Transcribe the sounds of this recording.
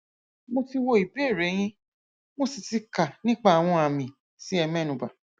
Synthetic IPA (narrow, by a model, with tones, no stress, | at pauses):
mo˧ti˧wo˧i˨be˦˨ɾɛ˨˦j̃ĩ˦ | mo˦si˨ti˧ka˨nĩ˦k͡pa˦˨a˨w̃ɔ̃˧a˨mĩ˨ | si˨˦ɛ˧mɛ̃˦˨nũ˨ba˨